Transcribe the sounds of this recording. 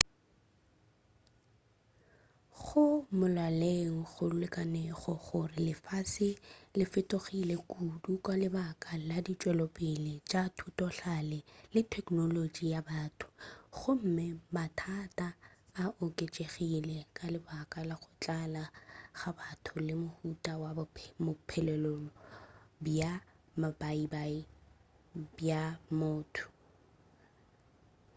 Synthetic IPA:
χʊmʊlaleŋ̩ɣʊlʊlɛkʼaneχɔɣʊrɪlɪfaːsɪlɪfɪtʼoχilekʼudukʼalɪbakʼaladit͡ʃʼwɛlɔpʼɪlet͡ʃʼatʰutʼɔɬalɛlɪtʰɛkʼnolod͡ʒijabatʰʊ̥χʊm̩mɪmatʰatʼaːʔʊkʼet͡ʃʼeχilɛkʼalɪbakʼalaχʊt͡ɬʼalaɣabatʰʊlɪmʊhutʼawabʰmʊpʰɛlɛlɔlɔbja | mabaibai | bjamʊːtʰʊ̥

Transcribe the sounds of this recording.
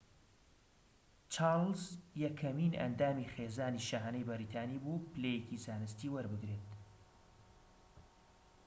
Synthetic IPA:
t͡ʃʰaɾlzjɐkʰːɐminɐ̰nd̪aːmixeːzaːniʃaːɦɐnejbɐɾiːt̪ʰaːniːbupʰɨleːjecizaːnɨst̪iːwɐɾbɨɡɾet̪

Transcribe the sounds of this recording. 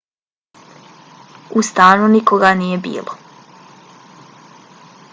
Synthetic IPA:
ust̪aːnunikoɡanijebḭːlˠo

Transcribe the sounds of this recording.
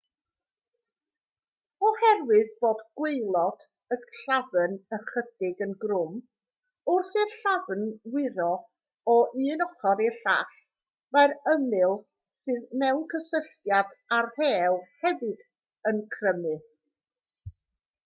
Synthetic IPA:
ɔhɛrwɨðboːdɡ̥wejlˠɔd̥ | əɡɬavənəχəd̥ɪɡənɡrʊm | ʊrsɨrɬavnwɪɾɔ | ɔʔɨːnɔχɔɾerɬa̰χ | maɾəmɨlˠ | sɨːðmɛwnkʰəsəɬjadarhɛːlˠhɛvɨd̥ | ənkʰrəmɨ

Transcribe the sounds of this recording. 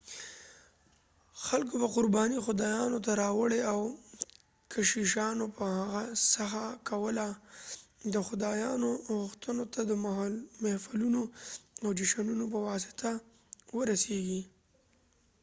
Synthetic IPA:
xalk̬obaqʊɾbɑnixʊd̪ɑjɑnot̪aɾɑwəɽeaw | kʰaʃiʃɑnopəhaɣasaxakawəla | d̪əxʊd̪ɑjɑnoɣʊxt̪ənot̪ad̪əmlmahfalunoawd͡ʒɪʃanunop̬əwɑs̬ɪ̥t̪ʰa | wəɾaseɡi

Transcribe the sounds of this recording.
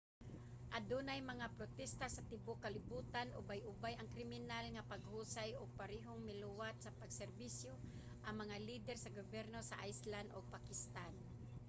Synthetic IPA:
ʔad̪unajmɐŋapɾot̪ɛst̪asɐt̪ɪbokɐlɪbuːt̪anʔʊbajʔʊbajɐŋkɾɪmɪnalŋapaɡhuːsajʊɡ̚paɾɛːɦoŋmɪlʊwat̪̚sɐpaɡsɛɾbisjo | ʔɐŋmɐŋaliːd̪ɛɾsɐɡobɛɾnosaʔajsland̪ʔoɡ̚pakɪst̪an

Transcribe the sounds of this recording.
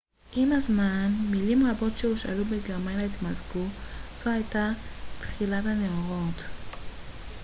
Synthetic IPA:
ʔimazmanmilimʁabo̞tʃeuʃa̰lubeɡeʁmajnait̪mazɡuz̥ohajtat̪χilataneoʁo̞t

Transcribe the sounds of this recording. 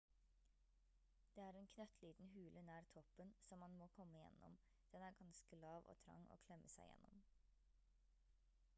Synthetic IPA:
d̪̥eːæːɾeːnkʰnœt̪ʰliːd̪n̩ɦʉːlʔənæːɾt̪ʰɔpːənsɔmːɑnmoːkʰɔmːəɪjɛ̰nːʔɔ̰m | d̪̥ɛnæːɾɡɑnskəlɑːʋo̰ːt̪ʰɾɑ̰ŋːo̰ːkʰlɛmʔəsæɪjɛ̰nːɔm

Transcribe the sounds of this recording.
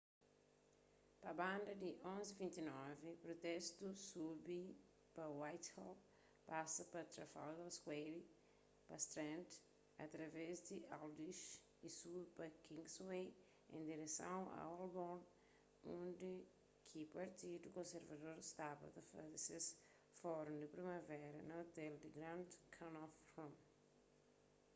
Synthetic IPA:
pɐbãnd̪ɐd̪iʔõnzivĩnt̪inɔvipɾot̪ɛst̪usubi | pɐwajt̪hɔp | pasɐpɐt̪ɾɐfa̰wd̪ɐlskweɾi | pɐst̪ɾɛ̃nt̪ | ɐ̰t̪ɾɐvɛzd̪iʔald̪iʃ | isubipɐkĩŋɡswej | ḛ̃nd̪iɾesɐ̃w̃ɐ̰albɔ̃n | ũnd̪i | kʰipɐɾt̪id̪ukõnseɾvɐd̪oɾst̪abɐ̰d̪ɐfɐ̰d̪ses | fɔɾũnd̪ɪpɾimɐvɛɾɐnɐot̪ɛld̪ɪɡɾãnd̪kʰãnɔfhõm

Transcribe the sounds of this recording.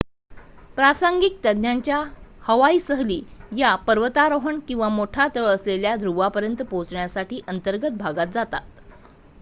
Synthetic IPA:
pɾasaŋɡik̚t̪əd̪njaɲt͡ɕjahəʋaiːsəɦliːjapəɾʋət̪aɾəɦəɳkĩw̃ʋamoʈʰat̪əɭəsleljad̪ʱɾuʋapəɾjənt̪əpõt͡sɳjasaʈiːʔənt̪əɾɡət̪̚bʱaɡat̪̚d͡zat̪a̰t̪̚

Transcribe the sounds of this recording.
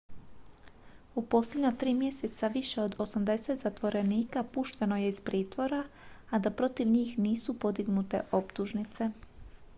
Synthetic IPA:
upo̞sledɲat̪ɾiːmje̞set̪saʋiʃe̞o̞d̪o̞samd̪e̞set̪z̥at̪ʋo̞ɾe̞niːkapuʃt̪e̞no̞je̞iz̥pɾiːt̪ʋo̞ɾaː | d̪apɾo̞t̪iʋɲiːxniːsupo̞d̪iɡnut̪e̞̰ʔo̞pt̪uʒnit̪se̞

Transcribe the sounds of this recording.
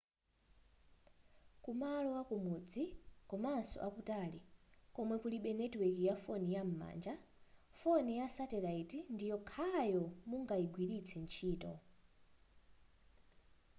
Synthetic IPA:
kumalɔwakumuːd͡zikɔmaːnsɔ̰ʔakutaːlikɔmwɛkuliɓɛnɛtwikijafɔnijam̩ma̰ːnd͡ʒa | fɔnijasatɛlaitindijɔkʰajɔmuŋɡaiɡwiɾit͡sʰɛnt͡ʃʰiːtɔ

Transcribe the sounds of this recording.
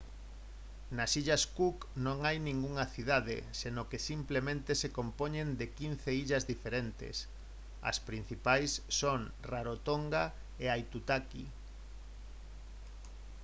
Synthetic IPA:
nasiʎaskuk | nõŋajnĩŋɡuŋɐθiðaðḛsenokesimplemẽnt̪esekompoɲẽnd̪ekin̟θeiʎɐzðifeɾent̪ḛs | ɐ̰spɾin̟θipajsːoŋ | raɾot̪oŋɡa | eajt̪ut̪akḭ

